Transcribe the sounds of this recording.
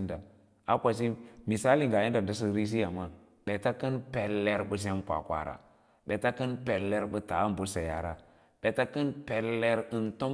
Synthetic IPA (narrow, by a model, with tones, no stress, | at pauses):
nda˨ | a˦kʷa˨s̬i˦mi˨sa˦li˦˨ŋɡa˨ji˦da˨n˨da˦s̬i˦˨ɾi˦s̬i˦ja˨ma˦ | ɓe˨ta˦kɨ˦npe˨lːe˨ɾbɨ˨s̬e˦m˦kʷa̰˨kʷa̰˨ɾa̰˨ | ɓe˨ta˦kɨ˦npe˨lːe˨ɾɓə˦ta˨˦m˨bu˦sa˨ja̰˨ɾa˨ | ɓ̥e˨ta˦kɨ˦npe˨lːe˨ɾɨ˨nto˦